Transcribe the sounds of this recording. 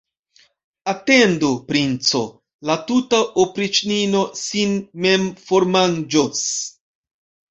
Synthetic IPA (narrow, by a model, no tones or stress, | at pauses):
ate̞ndupɾint͡so̰ | latutaʔopɾit͡ʃnino̞sinmemfoɾmand͡ʒos